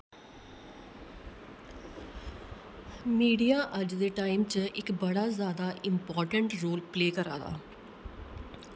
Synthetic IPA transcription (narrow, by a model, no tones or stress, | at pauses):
miːɖijaːʔəd͡ʒd̪eːʈaːɪmt͡ʃəɪkbəɽaːzjaːd̪aːʔɪmpɔːɾʈəɳʈɾoːlpleːkəɾa̰ːd̪a̰ː